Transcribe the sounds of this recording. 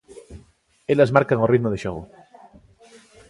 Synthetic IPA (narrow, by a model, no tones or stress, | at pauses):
elazmaɾkaŋorit̪moð̞eʃoɣo̰